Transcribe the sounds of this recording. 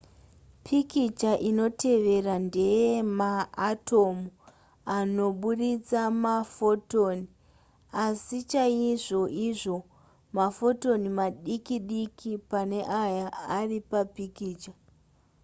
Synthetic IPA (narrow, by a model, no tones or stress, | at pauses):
pʰikit͡ʃaʔino̞tʰe̞ʋe̞rande̞jemaːtʰo̞mu | ano̞ɓuɗit͡samafo̞toːni | asit͡ʃaiʐo̞ʔiʐo̞ | mafo̞to̞nimaɗikiɗikʰipane̞ʔajaaripapikiːt͡ʃa